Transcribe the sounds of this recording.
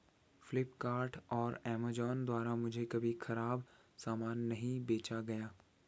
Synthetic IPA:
flɪpkaːɾʈɔːɾɛːmad͡ʒɔːnd̪waːɾamʊd͡ʒʱekɐbʱixɐɾaːbsaːmaːnːɐɦĩbeːt͡ʃaɡɐjaː

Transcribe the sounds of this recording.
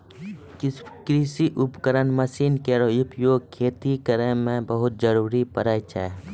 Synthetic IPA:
kɾɪsiʔʊpkəɾənməsiːnkeɾojʊpjoːɡ̚kʰːeːt̪ikəɾẽmẽbəɦʊt̪̚d͡ʒəɾuːɾipəɾait͡ʃʰɛ̰ː

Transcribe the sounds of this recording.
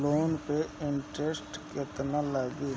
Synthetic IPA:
loːnpeɪɳʈɾesʈket̪nalaːɡi

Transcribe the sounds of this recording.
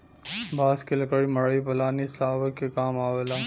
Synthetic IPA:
bʱaːskelɐkəɽimɐɽipɐlaːnisaːʋəkːekaːmaːʋelaː

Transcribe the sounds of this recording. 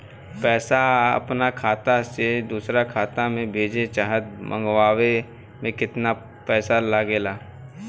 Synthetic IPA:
pɛːsaə̰pnakʰaːt̪ased̪uːsɾakʰaːt̪amẽbʱeːd͡ʒet͡ʃaːɦət̪̚mʔə̰̃ŋɡwaːʋe | mẽkɪt̪na | pɛːsalaːɡeːlaː

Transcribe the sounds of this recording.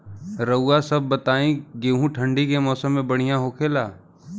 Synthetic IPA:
ɾəuːasɐb̚ːɐt̪aːĩɡeːɦũʈʰə̃ɳɖikemɔːsəmːẽbɐɽ̤̃ijãɦoːkʰeːlaː

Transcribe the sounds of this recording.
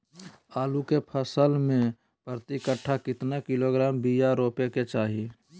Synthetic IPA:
aːlukepʰəsəlmẽ | pɾət̪ɪkəʈʰːakɪt̪nakɪloɡɾaːmbijaɾoːpeket͡ʃaːɦi

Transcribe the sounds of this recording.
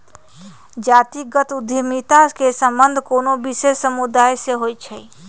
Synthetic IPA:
d͡ʒat̪iɡət̪ud̪ʱimit̪akesəmbənd̪ʱkoːnobisesːəmud̪aːjseɦojt͡ʃʰɛ

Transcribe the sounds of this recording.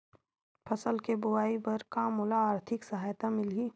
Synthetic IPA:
pʰɐsəlkebʊaːibɐɾkamʊlaːɾt̪ʰɪksɐɦaːjt̪amɪliː

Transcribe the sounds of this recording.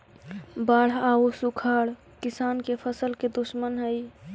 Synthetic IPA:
baːɽ̤ausukʰaɽ | kɪsaːnkepʰəsəlked̪usmənɦəj

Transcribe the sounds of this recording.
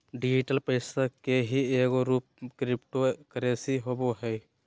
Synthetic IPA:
ɖɪd͡ʒɪʈəlpəɪsakeɦieːkoɾuːp̚kɾɪpʈokəɾeːsiɦoːboɦɛ

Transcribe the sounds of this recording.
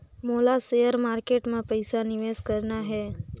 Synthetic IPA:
moːlasejəɾmaːɾkeːʈmẽpəɪsanɪʋeːskɐɾnaɦɛː

